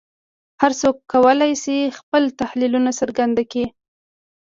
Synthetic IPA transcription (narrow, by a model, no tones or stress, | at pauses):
haɾsokːawəlajsixpəlt̪ahlilunasəɾɡand̪aki